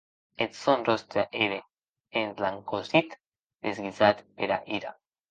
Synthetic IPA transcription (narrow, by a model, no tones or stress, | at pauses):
et̪sonrost̪ɾaʔeɾe | enlaŋkozit̪ | d̪ezɡizat̪peɾa̰ʔiɾa